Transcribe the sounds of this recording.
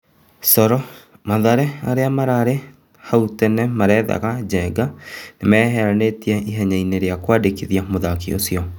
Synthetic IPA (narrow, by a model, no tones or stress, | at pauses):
sɔɾɔ | maðaɾɛaɾeamaɾaɾe | hautɛnɛmaɾɛða̰ɣad͡ʑɛɡanemɛːɦɛɾanetiɛʔiɦɛɲaineɾeakwaːdekiðiamoðakio̰siɔ